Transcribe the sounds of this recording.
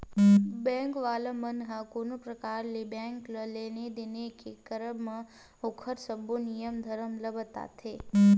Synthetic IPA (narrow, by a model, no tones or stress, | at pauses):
bɛ̃ŋkʋaləmənɦəkonopɾəkaɾlebɛ̃ŋkləlened̪enekekəɾəbmã | okʰəɾsəbonijəmd̪ʱəɾəmləbət̪a̰t̪ʰe